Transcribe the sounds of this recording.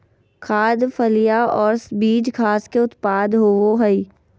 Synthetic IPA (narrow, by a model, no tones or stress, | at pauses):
kʰaːd̪fʰəlijaɔːɾsbiːd͡ʒkʰaːskeʊt̪paːd̪ɦoːʋoɦɐi